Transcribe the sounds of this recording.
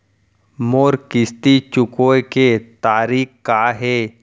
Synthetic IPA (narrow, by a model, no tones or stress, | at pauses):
moːɾkɪst̪it͡ʃʊkoːket̪aːɾiːkkaːɦɛː